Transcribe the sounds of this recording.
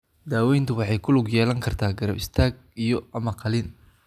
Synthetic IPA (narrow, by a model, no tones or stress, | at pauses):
d̪aːwɛjnt̪ʰʊwɑħɑjkʰʊlʊɡjɛːlɐŋkʰɐrt̪ʰaːɡɐɾɐbɪst̪ʰaːɡ̚ | ijɔɐmɐqʰɑlɪn